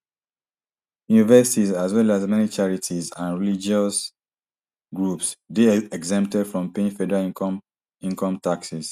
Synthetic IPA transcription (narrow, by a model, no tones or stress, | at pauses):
junivɛsitizazwɛlazmɛnit͡ʃaɹitʰizãnɹilid͡ʒɔs | ɡɹupsdeɛɡzɛ̃mp̚tɛdfɹɔ̃mpẽnfɛdɛɹa | ĩŋkɔ̃mtaksis